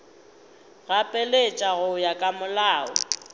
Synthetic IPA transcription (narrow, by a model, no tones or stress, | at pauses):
ɣapʼɛlet͡ʃʼaɣʊjakʼamʊlaːʊ